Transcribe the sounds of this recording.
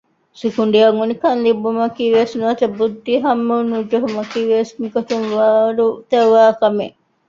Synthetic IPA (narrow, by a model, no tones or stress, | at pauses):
sikuɳɖiɐŋunikɐnlibumɐkiʋesnuʋɐt̪ɐbud̪ːiɦɐmːunud͡ʒoɦumɐkiʋesmikot̪uŋʋaːɾut̪ɐʋaːkɐme